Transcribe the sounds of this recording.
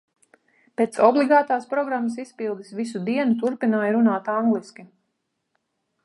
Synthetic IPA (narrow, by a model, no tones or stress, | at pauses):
peːt̪sɔblˠiɡaːt̪aːspɾɔɡɾamːəsispilˠd̪isʋisud̪iɛnut̪uɾpinaːjɾunaːt̪aŋɡliskʲi